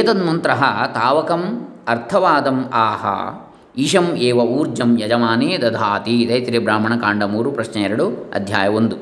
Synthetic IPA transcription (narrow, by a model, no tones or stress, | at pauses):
ɐt̪ɐd̪mɐnt̪ɾɐɦɐt̪aːʋɐkɐmɐɾt̪ʰɐʋaːd̪ɐmaːɦɐ̰ | iʃɐmeːʋɐuːɾd͡ʒɐmjɐd͡ʒɐmaːneːd̪ɐd̪ʱaːt̪id̪ɐjt̪ɾibɾaːmɐɳɐkaːɳɖɐmuːɾupɾɐʃnɐɛɾɐɽuɐ̰d̪ʱjaːjɐond̪u